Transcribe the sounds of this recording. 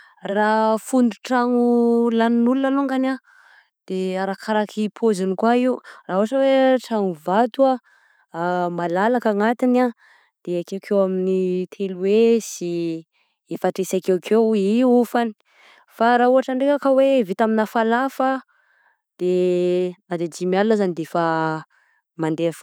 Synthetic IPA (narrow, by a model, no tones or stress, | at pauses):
rafund̪uʈ͡ʂaŋulaninulunaloŋɡana | d̪̥eaɾakʰaɾakʰipʰozinikwaiurauaʈ͡ʂəweʈ͡ʂaŋuvat̪ua | malalakaŋat̪ina | d̪̥eakewkʰewaminit̪ʰeluwesi | efaʈ͡ʂesakewkʰewiufani̥ | faɾauaʈ͡ʂəɳɖ͡ʐekakəwevit̪aminafalafa | d̪̥e | nad̪ed͡ʒimialunazanid̪eefa | mand̪ef